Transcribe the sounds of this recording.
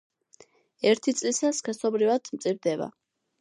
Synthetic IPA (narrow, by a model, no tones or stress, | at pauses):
ɛɾt̪ʰit̪sʼlisaskɛsɔbɾivad̪̥mt̪sʼivd̪ɛba̰